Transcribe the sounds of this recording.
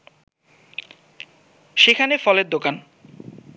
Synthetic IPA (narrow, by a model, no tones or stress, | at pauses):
ʃekʰanefɔleɾd̪okan